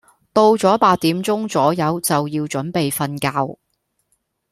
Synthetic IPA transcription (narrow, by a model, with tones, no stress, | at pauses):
t̪o˧wt͡sɔː˨˥paː˧t̚t̪iː˨˥mt͡sʊ˥ŋt͡sɔː˨˥jɐ˨˧˥wt͡sɐ˨wjiː˧wt͡ʃɵ˨˥npe˨jfɐ˧nkaː˧w